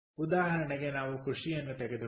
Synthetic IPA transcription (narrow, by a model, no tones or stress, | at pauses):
ud̪aːɦɐɾɐnɐɡenaʋukuʂijɐnːɐt̪eɡed̪u